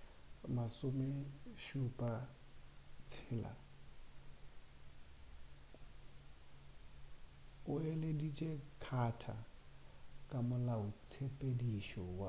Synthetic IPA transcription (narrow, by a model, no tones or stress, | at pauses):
masʊmɛʃupʼa | t͡sʰɪːla̰ | ʊɛledit͡ʃʼekʰatʰa̰ | kʼamʊlaʊt͡sʰepʼediʃɔwa